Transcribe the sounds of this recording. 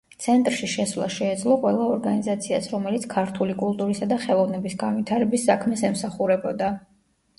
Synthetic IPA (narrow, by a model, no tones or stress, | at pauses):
t̪sʰɛnt̪ʼɾʃiʃɛsvlˠa̰ʃɛːd̪zlˠɔqʼwɛlˠaɔɾɡanizat̪sʰiasɾɔmɛlit̪sʰkʰaɾt̪ʰulikʼulˠt̪ʼuɾisad̪aχɛlˠɔvnɛbisɡanvit̪ʰaɾɛbisːakʰmɛsɛmsaχuɾɛbɔd̪a